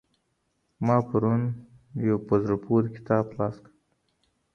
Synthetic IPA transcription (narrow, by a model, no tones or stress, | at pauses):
mɑpaɾun | jawpozɾapʰuɾkɪ̥t̪ɑːblɑskəɽ